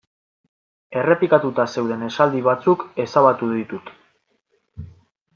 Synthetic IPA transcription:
e̞re̞pikat̪ut̪ase̞wðe̞ne̞sald̪iβ̞at͡suke̞saβat̪uðit̪ut̪

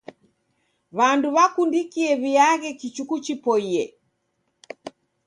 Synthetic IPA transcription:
βanduβakundikiɛβiaɣɛkit͡ʃukut͡ʃipɔiɛ

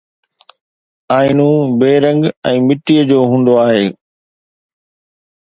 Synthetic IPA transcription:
aːɪnũbeːɾə̃ŋɡɛ̃ːmɪʈijəd͡ʑoːɦũːn̆d̪oaːɦeː

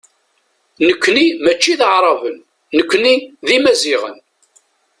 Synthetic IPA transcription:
nəkʷːnimæt͡ʃːiðəʕɾˤɑvən | nəkʷːniðimæziʁə̰n

